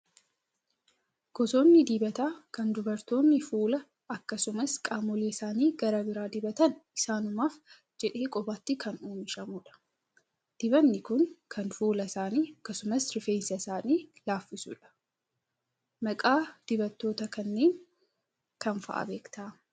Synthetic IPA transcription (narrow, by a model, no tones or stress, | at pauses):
ɡ̥ɔso̞ːnːɪd̪iːbɐt̪aːkɐnd̪ʊbɐɾt̪o̞ːnːɪfuːlɐ | ɐkːɐsʊmɐskʼaːmɔleːɪsaːniːɡɐɾɐbɪɾaːd̪ɪbɐt̪ɐnʔɪsaːnʊmaːf | d͡ʒɛᶑe̞ːkʼɔbaːt̪ːɪkʰɐnoːmɪʃɐmuːᶑɐ̥ | d̪̥ɪbɐnːɪkʊŋkʰɐnfuːlɐɪsaːniːɐkːɐsʊmɐsɾɪfeːnsɐɪsaːniːlaːfːɪsṵːᶑɐ̥ | mɐkʼaːd̪̥ɪbɐt̪ːo̞ːt̪ɐkɐnːe̞ːŋ | kɐnfɐ̰ʔɐ̰be̞ːkt̪ʰaː